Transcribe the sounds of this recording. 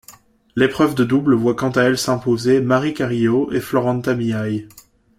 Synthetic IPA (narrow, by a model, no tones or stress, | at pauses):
lepχœvd̪əd̪ublvwakɑ̃t̪aɛlsɛ̃pozemaʁikʲaʁioʔeflɔʁɑ̃t̪amiaj